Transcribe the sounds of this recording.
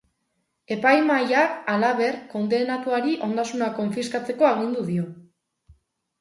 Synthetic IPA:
e̞pajmajaalaβe̞ɾko̞nd̪e̞nat̪uaɾiʔo̞nd̪asunako̞ɱfiskat͡se̞ko̞aɣind̪uðio̞

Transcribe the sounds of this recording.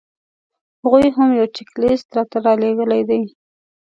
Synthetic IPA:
haɣujɦamjawt͡ʃɪklɪst̪ɾɑt̪aɾɑleɡəlajd̪aj

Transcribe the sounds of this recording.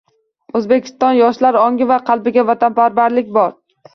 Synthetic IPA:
ɵzbekʲʰɪ̥st̪ɒnjɒʃlaɾɒŋʲɪvaqʰɑlˠbɪɡʲavat̪ʰanpʰaɾbaɾlɪkʲbɒɾ

